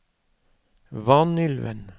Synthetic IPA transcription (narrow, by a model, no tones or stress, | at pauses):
ʋɑnʏlʋə̰n